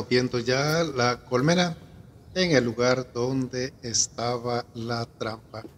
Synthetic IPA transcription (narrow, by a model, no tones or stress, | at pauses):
objend̪oʝalakolmena | eŋe̞lːuɣaɾd̪o̞nd̪e̞ːst̪aβalat̪ɾampa